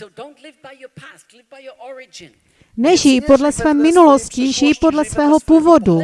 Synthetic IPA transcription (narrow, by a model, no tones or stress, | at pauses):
nɛʒipo̞dlɛsvɛːmːɪnulosciʒijpo̞dlɛsvɛːɦo̞puːvo̞du